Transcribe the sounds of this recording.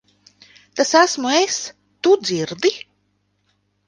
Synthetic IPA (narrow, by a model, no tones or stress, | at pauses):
t̪asæsmues | t̪ud̪ziɾd̪i